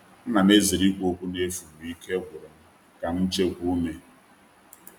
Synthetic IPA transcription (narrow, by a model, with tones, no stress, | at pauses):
n̩˦na˨me˦zi˨ɾi˦kʷo˦kʷu˦ne˦fu˨mu˨i˦ke˦ɡʷʊ˨ɾe˨m̩˦ | ka˨n̩˦t͡ʃe˦ɡʷu˦ne˨